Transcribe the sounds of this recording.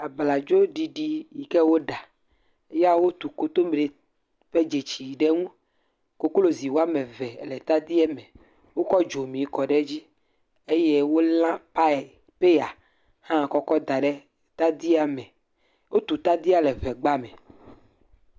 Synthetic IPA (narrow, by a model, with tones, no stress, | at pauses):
a˨bla˨d͡ʒo˦ɖi˨ɖi˦ji˨kɛ˦wo˦ɖa˨ | e˦ja˦wo˦t̪u˨ko˦t̪o˦me˨ɖe˨ | ɸe˦d͡ʒe˨t͡ɕi˨ɖe˦ŋũ˦ | ko˦klo˦zi˨wo˦a˦mẽ˨vɛ˨lɛ˨t̪a˦d̪i˦ɛ˦mẽ˨ | wo˦kɔ˦d͡ʒo˨mĩ˨kɔ˨ɖɛ˦d͡ʑi˦ | e˦je˦wo˦lã˦pa˦˨ | pe˦a˨ | hã˦˨kɔ˦kɔ˦d̪a˨ɖɛ˦ | t̪a˦d̪i˦a˨mɛ˨ | wo˦t̪u˨t̪a˦d̪i˦a˨lɛ˨vɛ˨ɡ͡ba˦mɛ̃˨